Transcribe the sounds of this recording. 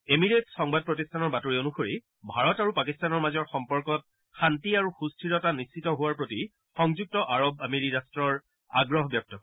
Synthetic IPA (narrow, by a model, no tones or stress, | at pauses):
emiɹetsɔŋbad̚pɹotistʰanɔɹbatoɹionuxoɹi | bʱaɹɔtaɹupakistanɔɹmazɔɹxɔmpɔɹkɔt̚ | xantiaɹuxustʰiɹɔtanist͡ʃitɔɦʊwaɹpɹoti | xɔŋzuk̚tɔʔaɹobameɹiɹastɹɔɹ | a̰ɡɹɔɦɔbjɔp̚tɔk